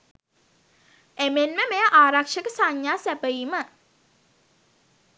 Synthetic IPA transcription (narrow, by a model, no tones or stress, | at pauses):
emenməmeəʔaːɾakʂəkəsaɲːaːsæpəjiːmə